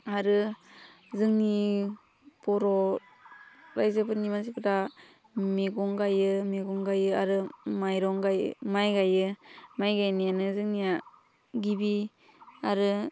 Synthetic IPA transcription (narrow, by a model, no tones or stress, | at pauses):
aɾɯ | zɯŋni | pɔɾɔ | ɾajzɯpɯnimansipɯta | meɡɔŋɡajɯmeɡɔŋɡajɯaɾɯmajɾɔŋɡaj̰majɡajɯmajɡajnijanɯzɯŋnija | ɡibi | aɾɯ